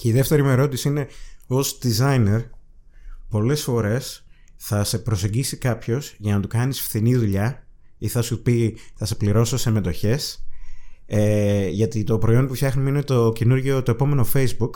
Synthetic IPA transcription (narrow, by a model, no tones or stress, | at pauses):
ceiðe̞ft̪e̞ɾimeɾo̞t̪isiine̞o̞zd̪izɐine̞ɾ | po̞le̞sfo̞ɾe̞sθɐse̞pɾo̞se̞ɲɟisikɐpço̞z̥ʝɐnɐt̪ukɐnisfθiniðuʎɐ | iθɐsupiθɐse̞pliɾo̞so̞seme̞t̪o̞çe̞s | eʝɐt̪it̪o̞pɾo̞io̞npufçɐxnumeinet̪ocenuɾʝot̪o̞e̞po̞me̞no̞fe̞jzbuk